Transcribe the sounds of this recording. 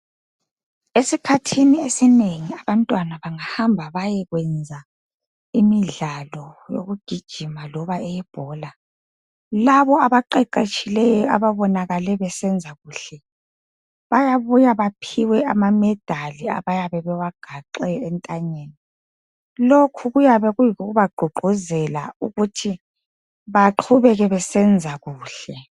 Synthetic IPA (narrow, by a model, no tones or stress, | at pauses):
esikʰatʰiniesineŋiaβantʼwanaβaŋahambʱaβajɛɣwɛnd͡zʱa | imiɮalɔjo̰ɣuɡ̥ʱid̥ʒ̥ʱimalɔβaɛjɛb̥ʱɔːla | laβɔaβaǃɛǃet͡ʃʼilɛjɔa̰βaβɔnaɣalɛβɛsɛnd͡zʱaɣuːɬɛ | βajaβujaβapʰiwɛamamɛd̥ʱalia̰βajaβɛβɛwaɡ̥ʱaǃɛːntʼaɲeːni | lokʰuɣujaβɛɣujiuɣuβaɡ͡ǃʱuɡ͡ǃʱuzɛla̰uɣutʰi | βaǃʰuβɛɣɛβɛsɛnd͡zʱaɣuːɬɛ